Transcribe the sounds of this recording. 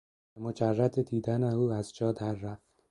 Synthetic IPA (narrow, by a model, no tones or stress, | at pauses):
bemod͡ʒærːæt̪ʰed̪iːd̪æneuːæzd͡ʒɒːd̪æɾːæft̪